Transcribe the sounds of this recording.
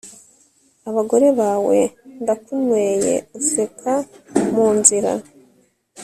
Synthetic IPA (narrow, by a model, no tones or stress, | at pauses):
aβaɡo̞ɾe̞βaːwe̞ndakunweːje̞̰usekʰamuːnziɾa̰